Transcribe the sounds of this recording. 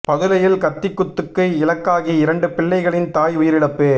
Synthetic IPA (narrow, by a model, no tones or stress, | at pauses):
pɐðɯlɐjɪlkɐt̪ːɪkːʊt̪ːɯkːɐɪlɐkːaːɣiɪɾɐɳɖɯpɪɭːɐɪɣɐɭɪnt̪aːjʊjɪɾɪɽɐpːeː